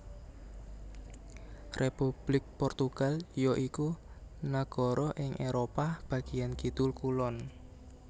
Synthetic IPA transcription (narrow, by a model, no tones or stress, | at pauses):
repub̥lɪk̚pɔrt̪uɡ̥a̤ljɔʔikunaɡ̥ɔ̤ɾɔʔɪŋʔeɾopab̥ä̤ɡ̥ijankid̪̥ʊlkulɔn